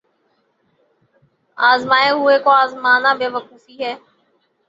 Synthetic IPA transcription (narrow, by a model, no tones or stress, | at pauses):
aːzmaːeɦʊeːkoaːzmaːnãːbeːʋəkuːfiːɦɛː